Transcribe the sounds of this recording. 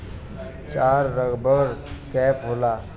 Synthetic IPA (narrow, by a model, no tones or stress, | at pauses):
t͡ʃaːɾːəɡbəɾkɛːpɦoːlaː